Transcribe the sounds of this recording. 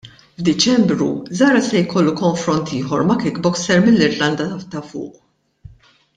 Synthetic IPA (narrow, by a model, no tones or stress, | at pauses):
vd̪ɪt͡ʃɛmbɾṵzɐːɾɐsɛjkɔlːukɔɱfɾɔnt̪ʰiːħɔɾmɐkɪkbɔksɛɾmɪlːɪɾlɐnd̪ɐɐt̪ɐfʊ̰ːʔ